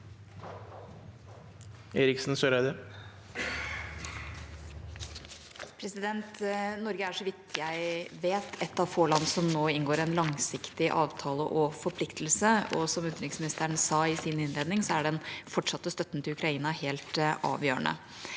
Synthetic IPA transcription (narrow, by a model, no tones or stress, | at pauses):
eːɾɪksn̩søɾæd̪ə | pʰɾɛsɪd̪ɛnt̪nɔɾɡəæʂɔʋɪk̚t̪ɪjæɪʋeːt̪ʰɛt̪ːɑʋfoːɭɑnsɔmnoːɪnɡoːɾɛnlɑŋsɪkt̪ɪʔɑːʋt̪ʰɑːlə̰ʔɔfɔɾpʰlɪkt̪lsəɔsɔmʉt̪ɾɪksmɪnɪst̪əɳsɑːɪsiːnɪnleːd̪nɪŋsɔæɖɛnfɔʈʂɑt̪ːəst̪œt̪ːn̩t̪ʰɪlʉkɾɑiːnɑheːlt̪ɑ̰ːʋjøːə̰ɳə̰